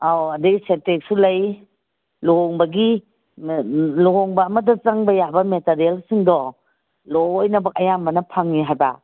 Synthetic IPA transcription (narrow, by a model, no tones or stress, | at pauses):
awɐdɐɡisentek̚sulɐj | loɦɔŋbɐɡi | loɦɔŋbɐːmɐdɐt͡ʃɐŋbɐjabɐmetaɾielsiŋdɔ | lɔjnɐbɐk̚ɐjambɐnɐpʰaŋːiɦajba̰